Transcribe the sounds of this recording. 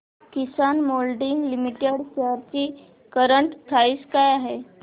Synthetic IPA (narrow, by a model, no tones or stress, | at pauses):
kisanmolɖiŋɡlimiʈeɽɕeaɾt͡ɕiː | kəɾəɳʈt̪ʰaiːskajaɦe